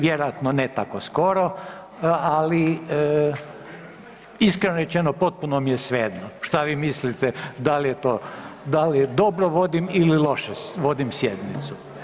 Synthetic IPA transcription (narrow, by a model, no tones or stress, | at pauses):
ʋjeɾojat̪nonet̪akosko̞ɾo | ali | iskɾenoɾet͡ʃenopo̞t̪̚punomijesʋeːd̪noʃt̪aʋimislit̪ɛd̪alijet̪od̪alijed̪o̞bɾoʋo̞d̪imililˠo̞ʃeʋo̞d̪imsjed̪nit̪su